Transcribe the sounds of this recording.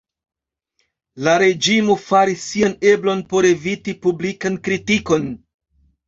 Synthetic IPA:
laɾe̞d͡ʒimofaɾisːiane̞blo̞npo̞ɾe̞vitipublikankɾitiko̞n

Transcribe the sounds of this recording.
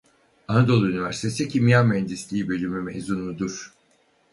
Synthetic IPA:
anad̪o̞lˠynivʲæɾsi̥t̪ʰe̞sicʰimjanmɛnd̪islʲiːbø̞lʲymymḛzunːud̪uɾ̥

